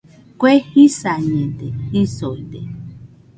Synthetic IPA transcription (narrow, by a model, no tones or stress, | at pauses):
kʷehisaɲẽd̪ehisoid̪ḛ